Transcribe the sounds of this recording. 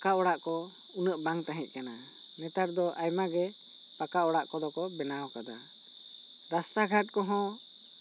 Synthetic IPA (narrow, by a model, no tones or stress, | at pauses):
kaɔɽaʔkɔ | unəʔbaŋt̪aɦɛ̃t̚ˀkana | nɛt̪aʈd̪ɔʔajmaɡɛ | pakaɔɽaʔkɔd̪ɔkɔbɛnawɔkad̪a | ɾast̪aɡʱaʈ̚kɔɦɔ̃